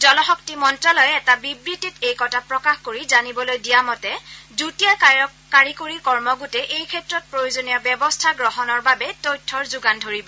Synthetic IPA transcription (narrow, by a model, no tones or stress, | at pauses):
zɔlɔxɔktimɔntɹɔlɔjɛɛtabibɹititejkɔtʰapɹɔkaxkoɹizanibɔlojdijamɔtɛzutija | kaɹikoɹikɔɹmɔɡutɛʔejkʰɛtɹɔt̚pɹojozonijɔbjɛbɔstʰaɡɹɔɦɔnɔɹbabɛtojtʰːɔɹzʊɡandʱoɹibɔ